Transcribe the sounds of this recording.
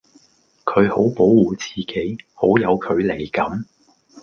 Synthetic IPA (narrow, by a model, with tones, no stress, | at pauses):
kʰɵ˨˧ɥho˨˥wpo˨˥wwuː˨t͡siː˨ke˨˥jho˨˥wjɐ˨˧wkʰɵ˨˧ɥle˨˩jkɐ˨˥m